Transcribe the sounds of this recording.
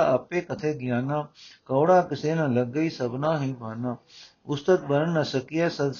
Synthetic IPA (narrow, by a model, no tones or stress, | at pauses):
aɐpːekɐt̪ʰeːɡjaːnaːkɐwɽaːkɪseːnãlɐɡːɐisɐbnaːɦĩbʱaːnaː | ʊst̪ət̪̚bɐɾənːɐsɐkijasɐd̪s